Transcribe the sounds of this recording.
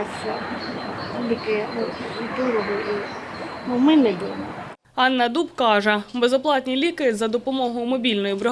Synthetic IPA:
sʲɐ | lʲikɪkʊt̪uɾɔɦʊʔinumɪnɛd̪umɐ | ɑnːɐd̪ubkɑʒɛbezɔplˠɑtʲnʲilʲikɪzɐd̪ɔpɔmɔɦʊʊmɔbʲilʲnɔjibɾɪ

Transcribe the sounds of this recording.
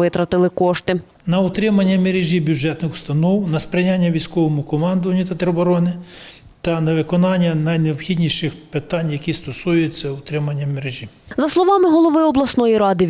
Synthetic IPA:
ɪt̪ɾɐt̪ɪlˠɪkɔʃt̪ɪ | nɐʊt̪ɾɪmɐnʲːɐmeɾeʒʲibʲjud͡ʒɛt̪nɪxu̥st̪ɐnɔwnɐspɾʲɪnʲanʲːɐʋʲijsʲkɔʋɔmʊkɔmɑnd̪ʊʋɐnʲːʊt̪ɐt̪eɾɔbɔɾɔnɪ | t̪ɐnɐʋɪkɔnɑnʲːɐnɐjneɔbxʲidʲnʲiʃɪxpɪt̪ɑnʲjɐkʲist̪ɔsujet͡sʲːɐʊt̪ɾɪmɐnʲːɐmeɾeʒʲi | zɐslˠɔʋɑmɪɦɔlˠɔʋɪɔblˠɐsnɔjiɾɑd̪ɪ

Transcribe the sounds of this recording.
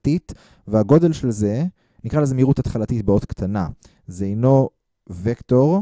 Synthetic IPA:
tit | veaɡo̞de̞lʃelze̞ | nikʁalezemiʁutat̪χalatit̚beotkt̪ʰana | zeejno̞ | vekto̞ʁ

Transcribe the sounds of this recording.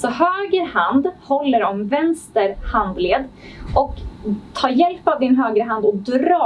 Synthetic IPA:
sɔhøːɡəɾhand̪hɔlːəɾɔmvɛnst̪əɾhand̪leːd̪ | ɔkt̪ʰɑːɾjɛlpavd̪ɪnɦøːɡɾəɦand̪ɔkd̪ɾɑː

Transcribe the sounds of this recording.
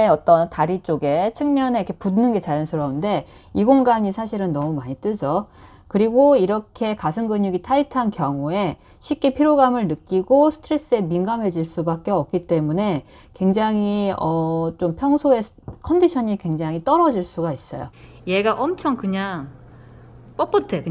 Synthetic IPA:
eʌt͈ʌntaɾit͡ɕ͈oɡe̞t͡ɕʰɯŋmjʌnekʰepunɯnɡe̞t͡ɕajʌnsʰɯɾʌunde̞ | iɡoŋɡaɲisʰaɕʰiɾɯnːʌmumaɲit͈ɯd͡ʑo | kɯɾiɡoiɾʌkʰe̞kas̬ʰɯŋɡɯɲuɡitʰaitʰankjʌŋue̞ | ɕʰip̚k͈e̞pʰiɾjoɡamɯɭnɯk͈iɡosʰɯ̥tʰɾe̞s͈ɯe̞minɡamɦe̞d͡ʑiɭs͈ubak͈e̞ʌp̚k͈it͈e̞mune̞ | kwe̞ŋd͡ʑaŋiʌt͡ɕompʰjʌŋsʰoe̞ | kʰʌndiɕʰʌɲikwe̞ŋd͡ʑaŋit͈ʌɾʌd͡ʑiɭs͈uɡais͈ʌ̰jo̰ | je̞ɡaʔʌmt͡ɕʰʌŋkɯɲaŋ | p͈ʌp͈ʌtʰekɯ

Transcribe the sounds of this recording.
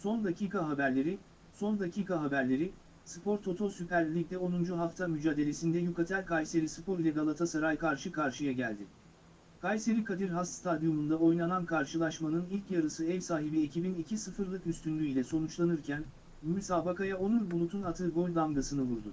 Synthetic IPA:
so̞nd̪acʰiːkʰaɦabæɾlʲe̞ɾi | so̞nd̪acʰiːkʰaɦabæɾlʲe̞ɾi | sɯ̥pʰo̞ɾt̪ʰo̞t̪ʰo̞sypæɾlʲlʲic̚d̪ɛo̞nund͡ʒuɦaft̪ʰamyd͡ʒaːd̪e̞lʲe̞sind̪ɛjukat̪ʰælʲkʰajse̞ɾisɯpʰo̞ɾlʲɛɡalˠat̪ʰasaɾajkʰaɾʃɯkʰaɾʃɯjaɟælʲd̪ɪ | kʰajse̞ɾikʰad̪iɾɦast̪st̪ʰad̪jomund̪ao̞jnanankʰaɾʃɯlˠaʃmanɯnilʲcjaɾɯsɯɛvsaːɦibiecʰibinicʰisɯfɯɾlˠɯkyst̪ynlʲyilʲɛso̞nut͡ʃlˠanɯɾcʰæn | jusaːbakajaonunbulˠut̪ʰunat̪ʰɯɡo̞lʲlˠamɡasɯnɯvuɾd̪ʊ

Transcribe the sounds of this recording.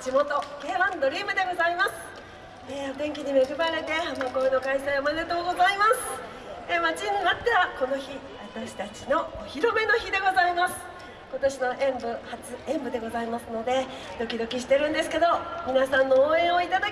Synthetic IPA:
d͡ʑimo̞t̪o̞ke̞ːβãnd̪o̞ɾʲiːmɯ̟d̪e̞ɡo̞zaimasɨ̥ | et̪ẽ̞ŋkʲiɲ̟imeɡɯ̟baɾe̞t̪e̞hamako̞ːno̞kaisajomane̞t̪o̞ːɡo̞zaimasɨ̥ | emat͡ɕinːinat̪ːe̞βako̞no̞çi | βat̪aɕi̥t̪at͡ɕino̞oçiɾo̞me̞no̞çid̪e̞ɡo̞zaimasɨ̥ | ko̞t̪o̞ɕino̞ʔẽmbɯ̟hat͡sɨẽ̞mbɯ̟d̪e̞ɡo̞zaimasɨno̞d̪e̞ | d̪̥o̞kʲid̪o̞kʲiɕ̬i̥t̪e̞ɾɯ̟̃nd̪esɨ̥ke̞d̪o̞mʲinasãnːo̞ːẽ̞ɰ̃oit̪ad̪a

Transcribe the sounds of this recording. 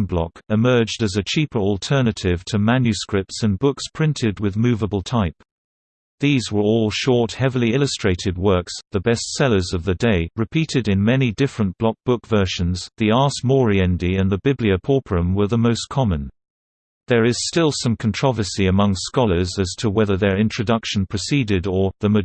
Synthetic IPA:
nblɑ̰kɨmɜ˞d͡ʒdɨzɨt͡ʃʰipʰə˞əlˠtʰɜ˞nɨɾɪv̥tʰɨmæ̃njʉskɹɪp̚tsɨ̃nbʊkspʰɹ̥ɪ̃ntʰɪd̚wɨðmʉvəbəl̩ˠtʰaɪp̚ | ðizwə˞ɔlˠʃɔɹt̚hɛvl̩ˠiɪlˠəstɹ̥eɪɾɨd̚wɜ˞ksðəbɛstsɛlˠə˞zʌvðɨdeɪɹɨpʰiɾɨɾɨ̃nmɛnidɪfɹə̃nb̥lɑk̚b̥ʊkv̥ɜ˞ʃɨ̃nzðiɑɹsmɔɹiɛ̃ndiɨ̃nðəbɪbliəpʰɔɹpʰɹə̃mwə˞ðəmoʊskʰɑmə̃n | ðə˞ɪz̥stɪlˠsʌ̃mkʰn̩tʰɹ̥ɑvə˞siɨmʌ̃ŋskɑlˠə˞zɨz̥tʰəwɛðə˞ðə˞ɪ̃nt͡ʃɹ̥ɨdʌkʃɨ̃n̩pʰɹ̥ɨsiɾɪɾə˞ðəmɨ

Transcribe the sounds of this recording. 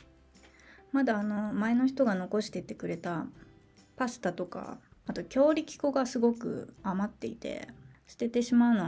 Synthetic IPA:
mad̪aːno̞mae̞no̞çi̥t̪o̞ɡano̞ko̞ɕi̥t̪e̞t̪ːe̞kɯ̟ɾe̞t̪a | pasɨ̥t̪at̪o̞ka̰at̪o̞kʲo̞ːɾʲikʲi̥ko̞ɡasɨɡo̞kɯ̟̰amat̪ːe̞ḭt̪e̞̰ɕɨ̥t̪e̞t̪e̞ɕimaɯ̟no

